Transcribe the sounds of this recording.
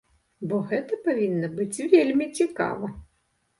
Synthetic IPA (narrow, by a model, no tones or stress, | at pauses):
bɔɣɛt̪ɐpavʲinːɐbɨt͡sʲvʲelʲmʲit͡sʲika̰vɐ